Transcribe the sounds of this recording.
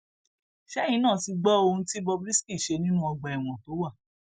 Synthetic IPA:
ʃɛ˦jĩ˨˦nãː˦˨ti˧ɡ͡bɔ˦o˧nũ˦ti˦bɔ˧bɾi˦ski˦˨ʃe˧nĩ˦nũ˦ɔ˧ɡ͡ba˧ɛ˨w̃ɔ̃˨to˨˦wa˦˨

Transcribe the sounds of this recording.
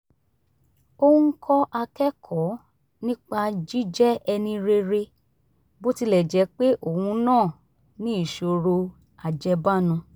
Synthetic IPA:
o˦ŋ̩˦kʰɔ˦ʔa˧kɛ˦kʰɔ˨˦ | nĩ˦k͡pa˧d͡ʒi˦d͡ʒɛ˦ɛ˧nĩ˧ɾe˧ɾe˧ | bo˦ti˧˦lɛ˨d͡ʒɛ˨˦k͡pe˦ʔo˦˨hũ˧nãː˦˨ | nĩ˦i˦˨ʃo˧ɾo˧ | a˨d͡ʒɛ˧ba˦˨nũ˧

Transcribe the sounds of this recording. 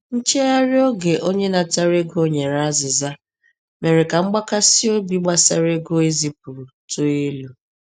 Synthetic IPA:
n̩˦t͡ʃe˦a˦ɾɪ˦o˦ɡe˨ʔo˦ɲe˦na˨ta˦ɾe˦ɡʊ˦o˦ɲe˨ɾa˦zɪ˨za˦ | me˨ɾɪ˨ka˨ŋ͡m̩˦ɡ͡ba˦ka˦si˦o˦bi˦ɡ͡ba˦sa̰˦ɾe˦ɡo˦e˦zi˦p̚u˨to˦e˦lu˨

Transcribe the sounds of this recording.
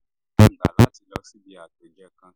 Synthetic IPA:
a˦n˨d̪a̰˨la̰˦ti˨lɔ˦si˦bi˦a˨te˨d͡ʒa˦kã˦

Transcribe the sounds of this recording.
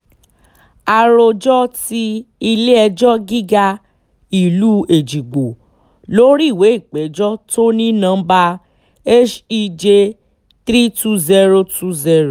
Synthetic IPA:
a˧ɾo˧d͡ʒɔ˦ti˧i˧le˦ɛ˧d͡ʒɔ˦ɡi˦ɡa˧ | i˨lu˨˦e˨d͡ʒi˨ɡ͡bo˨ | lo˦ɾi˦˨we˨˦i˦˨k͡pɛ˨˦d͡ʒɔ˦to˦nĩ˦nã˧˦ba˧ | e˦ʃi˧d͡ʒe˧ | t̪ɾi˦tu˦zɛ˧ɾo˧tu˦zɛ˧˦ɾo˨

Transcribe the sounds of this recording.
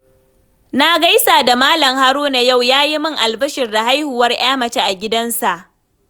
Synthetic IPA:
na˦ɡa˦jsaː˨da˨maː˦lɐ˨mha˦ɾuː˦na˨ja˦˨wjaː˦ji˦mɪ˦ŋʔa˨lbɐ˦ʃɪ˨rda˨ɦa˦jhuː˨wɐ˦rʔj̰aː˦mɐ˨t͡ʃeː˦ʔa˨ɡʲɪ˦dɐ˦nsa˨ʔ

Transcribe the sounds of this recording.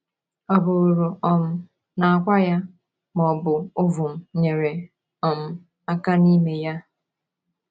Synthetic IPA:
ɔ˨bʊ˨ɾɾʊ˨ɔ˨m̩˦ | na˨a˨kʷa˦ja˦ | mɔ˨bʊ˨o˦vʊ˨m̩˨ɲe˨ɾe˨ | ɔ˨m̩˦ | a˦ka˦ni˦me˨ja˦

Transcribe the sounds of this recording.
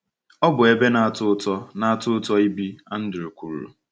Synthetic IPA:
ɔ˦bʊ˨e˦be˦na˨a˨tʊ˦tɔ˦na˦a˨tʊ˦ʊ˦tɔ˦i˦bi˦a˦n̩˦dɪ˨ɾu˨kʷu˨ɾṵ˨

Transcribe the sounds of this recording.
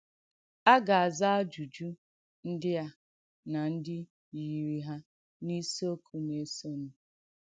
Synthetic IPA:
a˦ɡa˨a˨za˦a˦d͡ʒu˨d͡ʒu˦ | n̩˦dɪ˦a˦ | na˨n̩˦dɪ˦ | ji˨ɾi˦ɦa˦ | ni˦so˦kʰu˨ne˨˦so˦nu˦

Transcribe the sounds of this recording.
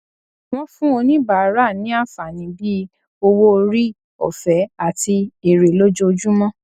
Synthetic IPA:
w̃ɔ̃˧fũ˦o˧nĩ˦ba˨ɾa˦˨nĩ˨˦a˦˨fa˨nĩ˨˦bi˦ | o˧wo˦˧ɾi˦ | ɔ̰˨fɛ˨˦a˨ti˧e˨ɾe˨lo˦d͡ʒo˧o˧d͡ʒũ˦mɔ̃˦

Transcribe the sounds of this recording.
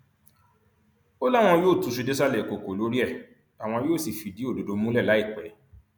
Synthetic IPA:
o˦la˦˨w̃ɔ̃˧˦joː˦˨tu˨˧˦ʃ̬u˧de˦s̬a˦lɛ˦˨ko˨ko˨lo˨˦ɾi˦ɛ˦˨ | a˨w̃ɔ̃˧joː˦˨si˨fi˨di˦o˦˨do˨do˧mũ˦lɛ˦˨la˨˦i˦˨k͡pɛ˨˦

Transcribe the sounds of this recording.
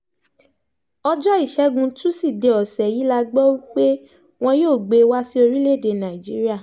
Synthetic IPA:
ɔ˧d͡ʒɔ˦i˦˨ʃɛ˨˦ɡũ˧tũ˦si˦˨de˨ɔ˨sɛ˨ji˨˦la˧ɡ͡bɔ˦wi˦k͡pe˦ | w̃ɔ̃˧joː˦˨ɡ͡be˨˧wa˦si˦o˧ɾi˦le˦˨de˧˨nã˨i˨d͡ʒi˨˦ɾi˦a˦˨

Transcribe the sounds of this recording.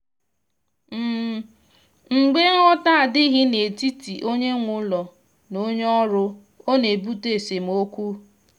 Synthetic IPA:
m̩˦ | ŋ͡m̩˨ɡ͡be˦ŋ˦ɔ˦ta˦a˨dɪ˦ɦɪ˦ne˨ti˦ti˨ʔo˦ɲe˦ŋʷʊ˦lɔ˨ | no˦ɲ˦ɔ˦ɾʊ˦ | o˦ne˨bu˦te˨se˨m̩˨o˦kʷu˦

